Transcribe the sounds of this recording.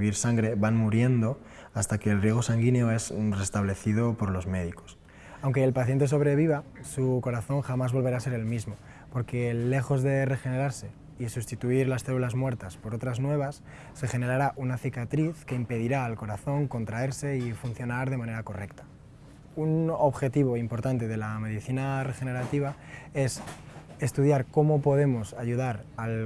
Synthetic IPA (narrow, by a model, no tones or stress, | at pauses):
βiɾsaŋɡɾe̞βanmuɾje̞nd̪o̞ | ast̪ake̞ːlrje̞ɣ̞o̞saŋɡineo̞ezre̞st̪aβ̞le̞θið̞o̞po̞ɾlo̞zme̞ðiko̞̥s | awŋke̞ːlpaθje̞nt̪̬es̬oβ̞ɾe̞β̞iβasuko̞ɾaθo̞ŋxamazβo̞lβeɾaːse̞ɾe̞lmizmo̞ | po̞ɾke̞le̞xo̞zðe̞re̞xe̞ne̞ɾaɾse̞ | isust̪it̪uiɾlasθe̞lulazmwe̞ɾt̪aspo̞ɾo̞t̪ɾaznwe̞β̞asː | e̞xe̞ne̞ɾaɾaʔunaθikat̪ɾiθke̞impe̞ð̞iɾaːlko̞ɾaθo̞ŋko̞nt̪ɾae̞ɾse̞ifun̟θjo̞naɾð̞e̞mãne̞ɾako̞re̞kt̪ḁ | uno̞βxe̞t̪iβ̞o̞impo̞ɾt̪ant̪e̞ð̞e̞lame̞ðiθinare̞xe̞ne̞ɾat̪iβ̞a | e̞se̞st̪uð̞jaɾko̞mo̞po̞ð̞e̞mo̞saʝuðaɾal